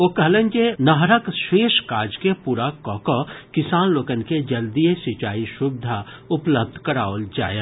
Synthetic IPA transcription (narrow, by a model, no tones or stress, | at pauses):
oːkɐɦlẽnd͡ʒenɐɦɾəkʃeːʃkaːd͡ʒkepuːɾakɔːkɔkɪsaːnloːkənked͡ʒɐld̪ijesɪt͡ʃaːiʃʊbd̪ʱa | ʊpləb̚d̪ʱkɐɾaːʋld͡ʒa̰ːje